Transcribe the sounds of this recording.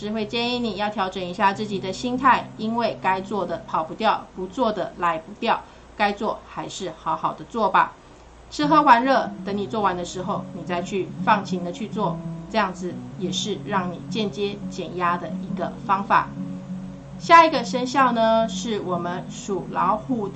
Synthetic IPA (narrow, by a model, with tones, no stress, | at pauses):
ʂɻ̩˧˥xwe˥˧ɪt͡ɕjɛ˥˧ni˥˩ni˨˩jɑ˥˩ʊt̪ʰjɑ˧˥ʊʈ͡ʂə˨˩ŋi˧˥ɕja˥˧t͡sɹ̩˥˩t͡ɕi˨˩d̪ə˦ɕi˥ŋt̪ʰa˥˩ɪi˥nwe˥˩ɪka˥ɪt͡swɔ˥˩d̪ə˩pʰɑ˨˩ʊpu˧˥t̪jɑ˥˩ʊpu˧˥t͡swɔ˥˩d̪ə˩la˧˥ɪpu˧˥t̪jɑ˥˩ʊ | ka˥ɪt͡swɔ˥˩xa˧˥ɪʂɻ̩˥˩xɑ˧˥ʊxɑ˨˩ʊd̪ə˦t͡swɔ˥˩ba̰˩ | t͡sʰɻ̩˥xɤ˧˥xwa˧˥nɻɤ˥˩t̪ə˧˥ŋni˨˩t͡swɔ˥˩wa˧˥nd̪ə˧ʂɻ̩˧˥xo˥˧˩ʊni˨˩t͡sa˥˧ɪt͡ɕʰy˥˧˩fɑ˥˩ŋt͡ɕʰi˧˥ŋd̪ə˧t͡ɕʰy˥˧t͡swɔ˥˨˩ʈ͡ʂɤ˥˧jɑ˥˩ŋd͡zɹ̩˨jɛ˨˩ʂɻ̩˥˧ɻɑ˥˩ŋni˨˩t͡ɕjɛ˥˩nt͡ɕjɛ˥t͡ɕjɛ˨˩nja˥d̪ə˨i˧˥ɡə˧fɑ˥ŋfa̰˨˩˦ | ɕja˥˩i˧˥ɡə˧ʂə˥nɕjɑ˥˩ʊnə˩ʂɻ̩˥˩wɔ˨˩mə˦n | ʂu˨˩lɑ̰˧˥ʊxu˥˩